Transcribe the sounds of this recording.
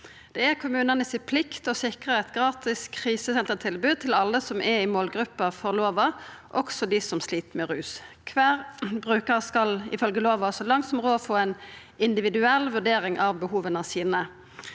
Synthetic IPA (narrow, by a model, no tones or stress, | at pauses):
d̪̥ɛækʰʊmʉːnənəsɪpʰlɪkt̪ɔsɪkʁəɛt̪ɡʁɑːt̪ɪskʰʁiːsəsɛnt̪ət̪ʰɪlbʉːd̪̚t̪ʰɪlɑlːəsɔmʔɛɪmoːlɡʁʉpːɑfɔʁloːʋəʔɔksɔd̪ɪsɔmsliːt̪mɛʁʉːskʰʋæːʁbʁʉːkəʁskɑlɪ̰fœlɡəloːʋɑɔsɔlɑŋt̪sɔmʁoːɔfoːɛn | ɪnd̪ɪʋɪd̪ʉɛlʋʉɖ̪eːɾɪŋʔɑʋbəhuːʋənəsiːnə